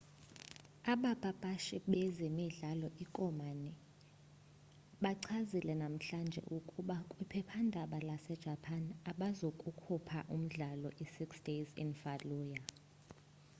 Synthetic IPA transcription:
aɓab̥ʱʼab̥ʱʼaʃiɓɛzemiɮalɔʔikʼɔmani | ɓaǀʰazilɛnam̩ɬand͡ʒʱɛ̰ʔukʼuɓakʼwipʰɛpʰandʱaɓalasɛd̥ʒ̥ʱapʰanaɓazokʼukʰupʰaʔum̩ɮalɔʔisiksd̥ezḭnfaluːja

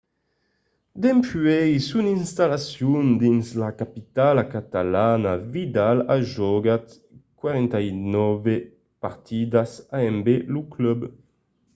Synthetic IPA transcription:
d̪ɛmpyɛjsuninst̪alasjund̪inslakapit̪alakat̪alanavid̪alaʒɔɡat̪ | kwaɾɛnt̪ajnɔve | paʁt̪ʰid̪asaɛmbeluklœb

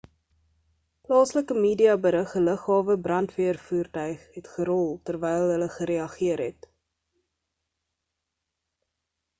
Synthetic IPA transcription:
plɑːsləkəmiːdiɑbəɾəχələχɦɑːvəbrɐntviərfuːrtœɥχɦɛtχəɾɔlˠtərvɛjlˠɦələχəɾeɐχiəɾɦɛt

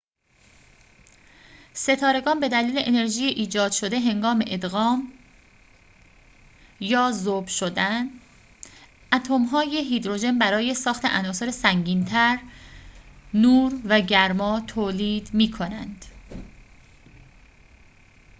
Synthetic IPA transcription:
se̞t̪ʰɒːɾe̞ɡɒːnbe̞d̪æliːleʔene̞ɾʒiːjeʔiːd͡ʒɒːd̪̥ʃo̞d̪e̞ɦe̞ŋɡɒːme̞̰ʔed̪ɣɒːm | jɒːzobʃod̪æn | ʔæt̪ʰomɦɒːjeɦiːd̪ɾo̞ʒe̞nbæɾɒːje̞sɒːxt̪ʰe̞ʔænɒːso̞ɾesæŋɟiːnt̪ʰæɾ | nuːɾvæɟæɾmɒːt̪ʰoːliːd̪miːkʰo̞nænd̪̥

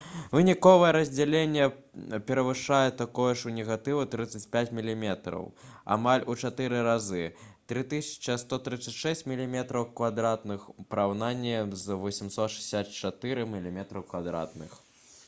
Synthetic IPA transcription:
vɨnʲikɔvɐjɛɾɐzʲd͡zʲalʲenʲːɛ | pʲɛɾɐvɨʂajɛt̪akɔjɔʂunʲɛɣat̪ɨvut̪ɾɨt̪sːɐt͡sʲpʲat͡sʲmʲilʲimʲɛt̪ɾɐ̰wa̰malʲut͡ʂat̪ɨɾɨɾazɨt̪ɾɨt̪ɨsʲɐ̥t͡ʃɐst̪ɔt̪ɾɨt̪sɐt͡sʲʂɛsʲt͡sʲmʲilʲimʲɛt̪ɾɐwkvad̪ɾat̪nɨxupɐɾawnanʲːɛmzvɔsʲimsɔt̪ʂɨ̥sʲat̪t͡ʂat̪ɨɾɨmʲilʲimʲɛt̪ɾɐwkvad̪ɾa̰t̪̚nɨ̰x

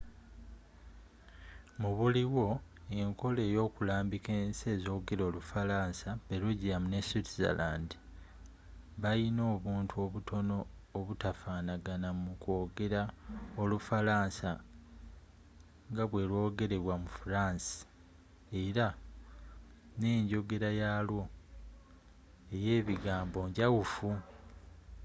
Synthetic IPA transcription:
muβuliwo̞ | e̞ŋko̞le̞ːjo̞ːkulaːmbike̞ːnse̞ːzo̞ːɡe̞ɾo̞ːlufalaːnsapeɾuɟijamune̞sitiza̰laːndi | βajino̞ːβuːntʰuo̞βutʰo̞no̞ːβutafaːnaɡanamuko̞ːɡe̞ɾao̞lufalaːnsa | ŋɡaβwe̞lwo̞ːɡe̞ɾe̞βwamufuɾaːnsi̥ | e̞ɾa | ne̞ːɲɟo̞ɡe̞ɾajaːlwo̞ | e̞je̞ːβiɡaːmbo̞ːɲɟawufu

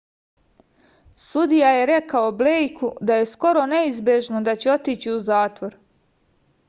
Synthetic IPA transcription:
sud̪ijaje̞ɾe̞kaoblejkʰud̪aje̞sko̞ɾo̞ne̞izbje̞ʒnod̪at͡ɕeo̞t̪iːt͡ɕiuzaːt̪ʋo̞ɾ

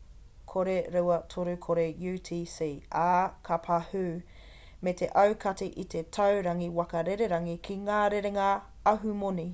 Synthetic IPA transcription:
kʰoɾeɾewɐtʰoɾukʰoɾejuːtʰiːseaːkʰapʰahʉ | metʰeʔɐwkʰɐteʔitʰetʰɐwɾɐŋiwɐkɐɾeɾeɾɐŋikʰiŋaːɾeɾeŋa | ɐɦumoni

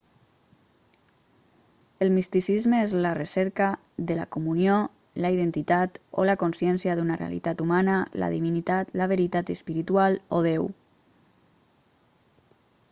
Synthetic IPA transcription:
elmist̪isizmeezlarəsɛɾkaðəla̰komunjo | laið̞ent̪it̪at̪o̰lakonsjɛnsjaðunarḛa̰lḭt̪at̪umanala̰ðiβinit̪at̪laβəɾit̪at̪əspiɾit̪ualoðew

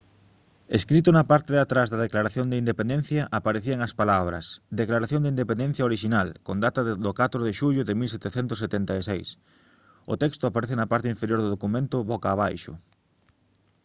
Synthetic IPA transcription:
eskɾit̪ʊnɐpaɾt̪eðat̪ɾazðɐðeklaɾaθjoŋd̪eind̪epend̪ɛn̟θjɐʔapaɾeθiɐeŋɐspalaβ̞ɾɐ̰sd̪eklaɾaθjond̪ind̪epẽnd̪en̟θjɐoɾiʃinalkond̪at̪ɐðd̪okat̪ɾoðeʃuʎʊðemilsɛt̪eθɛnt̪ʊsːet̪ɛnt̪aesejs | ʊ̰t̪ɛkst̪ʊapaɾeθenɐpaɾt̪eiɱfeɾjoɾðʊðokumẽnt̪ʊβɔkaːβ̞ajʃʊ̰

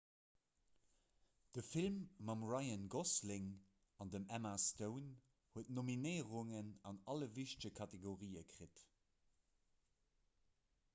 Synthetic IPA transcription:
d̥əfilmːɑmʁɑɪənɡoslɪŋ | ɑndəmæmastəʊn | huətnominəɪəʁʊŋənɑnɑləviʃtəkʰɑteɡoʁiːəkʁ̥it

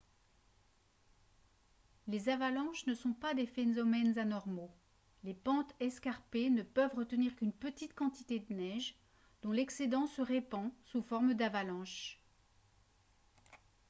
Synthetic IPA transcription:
lezavalɑ̃ʃnəsɔ̃pad̪efenzɔmɛnzanɔʁmo | lepɑ̃t̪ɛskaʁpenəpœvʁət̪əniʁkʲynpət̪it̪kɑ̃t̪it̪ed̪ənɛʒ | d̪̥ɔ̃lɛksed̪ɑ̃səʁepɑ̃sufɔʁmd̪avalɑ̃ʃ

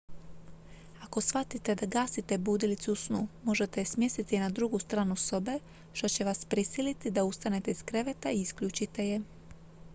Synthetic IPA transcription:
ako̞sʋat̪it̪e̞d̪aɡaːsit̪e̞buːd̪ilit̪suusnumo̞ʒe̞t̪esmje̞st̪it̪inad̪ɾuɡust̪ɾaːnuso̞be̞ | ʃt̪o̞t͡ɕe̞ʋaspɾisilit̪id̪aust̪ane̞t̪eizkɾe̞ʋe̞t̪aiiskʎuːt͡ʃit̪e̞je̞

